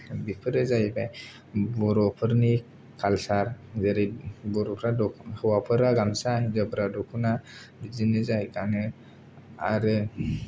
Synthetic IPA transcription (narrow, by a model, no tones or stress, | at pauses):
bipʰɯɾɯzajba | bɔɾɔpʰɯɾni | kʰalsaɾzəɾibɔɾɔpʰɾadɔhɯwapʰɯɾaɡamsaɦid͡ʒɔbɾadɔkʰuna | bid͡ʒinɯzajkanɯ | a̰ɾɯ